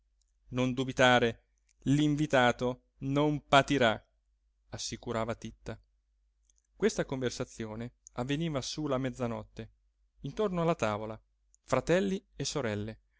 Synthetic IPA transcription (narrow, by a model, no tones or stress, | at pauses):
nond̪ubit̪aːɾe | liɱvit̪aːt̪o | nompat̪iɾa | asːikuɾaːvat̪it̪ːa | kwest̪akoɱversat̪sːjoːneavːeniːvasulamɛd̪zːanɔt̪ːe | int̪ornoalːat̪aːvola | fɾat̪ɛlːiesːoɾɛlːe